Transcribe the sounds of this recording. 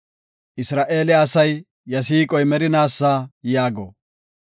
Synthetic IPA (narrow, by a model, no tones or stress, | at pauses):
ʔɪsɾaːʔe̞ːlɛɐsɐjː | ɐs̬iːkʼɔjmɛɾɪnaːsːaːjaːɡɔ̰